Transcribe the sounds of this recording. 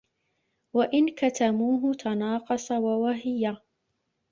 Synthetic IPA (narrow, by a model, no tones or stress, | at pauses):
waʔɪnkat̪amuːɦʊt̪ʰɑnɑːqɑsˤɑwawaɦɪja